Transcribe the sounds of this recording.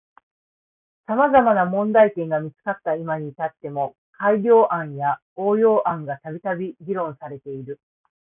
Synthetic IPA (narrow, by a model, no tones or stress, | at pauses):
samazamanamõ̞nd̪aik̪ẽ̞ŋɡamʲit͡sɨ̥kat̪ːaimaɲ̟it̪at̪ːe̞mo̞ | kaiɾʲo̞ːʔãɰ̃ja | o̞ːjo̞ːʔãŋɡat̪abʲit̪abʲiɡʲiɾõ̞ɰ̃saɾe̞t̪e̞iɾɯ̟